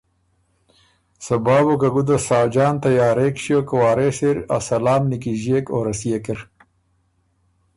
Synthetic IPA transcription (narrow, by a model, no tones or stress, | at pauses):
sɐbɑːbokɐɡud̪ɐsaːd͡ʒɑːnt̪ɐjaːɾeːkʃijoːkɐwaːɾeːseɾa̰sɐlaːmnikiʑeːkoːɾɐsijekɪɾ